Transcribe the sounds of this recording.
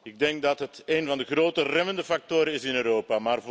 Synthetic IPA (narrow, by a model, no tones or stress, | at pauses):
ɪɡ̚dɛŋk̚dɑtɦətejnvɑndəχroːtərɛməndəfɑk̚toːɾənɪsɪnøːɾoːpamaːr